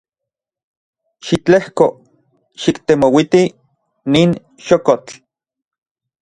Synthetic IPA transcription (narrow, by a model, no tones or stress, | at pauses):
ʃit͡ɬehko | ʃikt̪emowit̪i | niːn | ʃokot͡ɬ